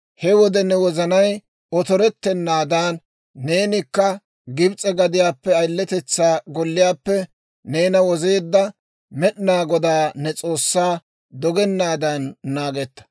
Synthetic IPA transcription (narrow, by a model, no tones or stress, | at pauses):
hɛwɔd̪ɛnɛwɔzɐnɐj | ɔt̪ɔɾɛt̪ːɛnːaːd̪aːnː | e̞ːnɪkːɐ | ɡɪbt͡sʼɛɡɐd̪ɪjaːpːɛɐjlːɛt̪ɛt͡sːaːɡɔlːɪjaːpːɛ | neːnɐwɔze̞ːd̪ːɐ | mɛɗnaːɡɔd̪aːnɛt͡sʼo̞ːsːaː | d̪ɔɡɛnːaːd̪anːaːɡɛt̪ːɐ̥